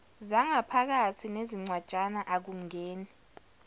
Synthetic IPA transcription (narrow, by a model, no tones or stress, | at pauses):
zaŋapʰak̬atʰineziŋ͡ǀwad̥ʒ̥ʼanaʔak̬uŋeːni